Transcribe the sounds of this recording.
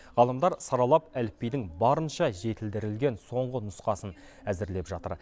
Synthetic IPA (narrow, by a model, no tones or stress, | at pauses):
ʁɑlˠəmd̪ɑɾsɑɾɑlˠɑpælɪp̚pːejd̪ɪŋbɑɾənʃɑʒe̞t̪ɪld̪ɪɾɪlɡʲe̞nso̞ɴʁənʊsqɑsən | æzɪɾle̞pʒɑt̪ə̰ɾ